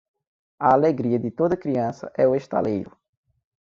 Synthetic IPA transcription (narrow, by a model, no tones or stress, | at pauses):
ɐaleɡɾiɐd̪ɪt̪od̪ɐkɾiɐ̃sɐ̰ʔɛueʃt̪a̰lejɾʊ